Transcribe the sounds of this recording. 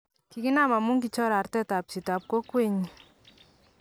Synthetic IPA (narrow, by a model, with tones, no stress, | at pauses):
ki˨ki˦na˦ma˨mu˦ŋki˨t͡ʃɔ˦ɾa˨rtɛ˦ta˨p̚si˨ta˨p̚ko˦kwe˦ɲi˨